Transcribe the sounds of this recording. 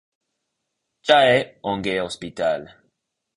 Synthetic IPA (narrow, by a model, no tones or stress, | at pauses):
t͡ʃaɛõŋɡeospit̪al